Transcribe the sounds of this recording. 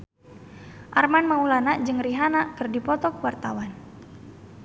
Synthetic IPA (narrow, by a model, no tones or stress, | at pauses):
ʔarmanmaulanaʔd͡ʒɨŋriɦanakɨrdipɔt̪ɔkwart̪awan